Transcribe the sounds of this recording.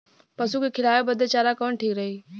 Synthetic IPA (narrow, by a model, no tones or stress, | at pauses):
pəsuːkekʰɪlaːjobəd̪et͡ʃaːɾakəʋəɳʈʰiːkɾəɦiː